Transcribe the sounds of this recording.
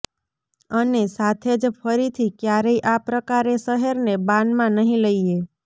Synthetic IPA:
ənesat̪ʰed͡ʒpʰəɾit̪ʰikjaɾəiʔapɾəkaɾesəɦəɾnebãnmãnəɦĩləie

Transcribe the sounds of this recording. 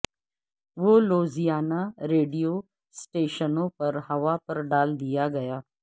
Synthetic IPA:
ʋoloːzijaːnaɾeːɖijoː | sʈeːʃənõpɐɾɦɐʋapɐɾɖaːld̪ijaɡɐjaː

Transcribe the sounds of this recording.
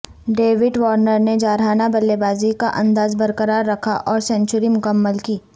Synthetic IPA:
ɖeːʋɪɖʋɔːɾnəɾned͡ʒaːɾɦaːnabɐlːebaːzikaʔɐ̃nd̪aːzbɐɾkəɾaːɾːɐkʰaʔɔːɾsɛ̃nt͡ʃʊɾimʊkəmːəlkiː

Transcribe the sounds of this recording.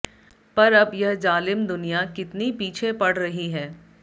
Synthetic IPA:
pɐɾɐbjɐɦd͡ʒaːlɪmd̪ʊnijakɪt̪nipiːt͡ʃʰepɐɽ̤ɾɐɦiɦɛː

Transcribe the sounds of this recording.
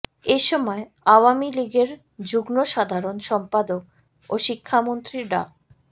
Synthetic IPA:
eʃɔmɔe | awamiliɡeɾ | d͡ʑuɡnoʃad̪ʱaɾonʃɔmpad̪ok̚ | oʃikʰːamont̪ɾiɖa̰

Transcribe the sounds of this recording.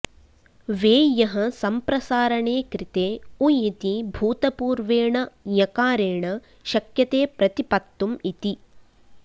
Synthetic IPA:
ʋeːjɐɦɐ̆sɐmpɾɐsaːɾɐɳeːkɾit̪eːujit̪ibʱuːt̪ɐpuːɾʋeːɳɐjɐkaːɾeːɳɐ | ʃɐkjɐt̪eːpɾɐt̪ipɐt̪ːumit̪i

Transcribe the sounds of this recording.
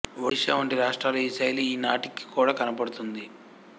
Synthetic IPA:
ʋɐʂɐʋɐɳʈiɾaːʂʈɾaːlɐiːsɐjliiːnaːʈikːi̥kuːɽaːkɐnɐpɐɽut̪und̪i

